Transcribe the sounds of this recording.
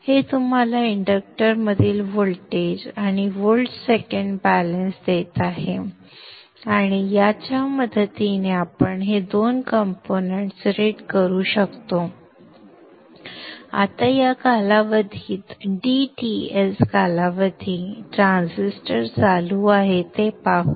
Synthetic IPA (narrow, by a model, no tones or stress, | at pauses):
het̪um̤alaiɳɖək̚ʈəɾməd̪ʱiːlʋolʈed͡ʑaɽ̃iʋolʈsekəɳɖbælənsd̪et̪aɦe | aɽ̃ijat͡ɕjaməd̪ʱət̪ineapəɳɦed̪onkəmponeɳʈsɾeɖkəɾuːɕəkt̪o | a̰t̪ajakalaʋəd̪ʱiːt̪ɖiʈieskalaʋəd̪ʱiːʈɾãnsisʈəɾt͡saluaɦet̪epaɦu